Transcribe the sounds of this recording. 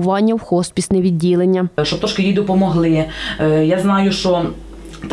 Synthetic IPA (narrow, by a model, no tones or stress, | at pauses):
ʋɑnʲːɐwxɔspʲisnɛʋʲidʲːilˠenʲːɐʃt͡ʃɔbpt̪ɾɔʃkʲɪjijd̪ɔpɔmɔɦlˠɪjaznɑjʊʃt͡ʃɔ | t̪